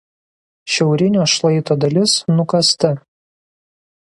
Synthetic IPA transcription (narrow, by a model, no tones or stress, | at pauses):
ʃʲɛʊɾʲɪnʲoːʃlˠɐɪt̪oːd̪ɐlʲɪsnʊkɐst̪ɐ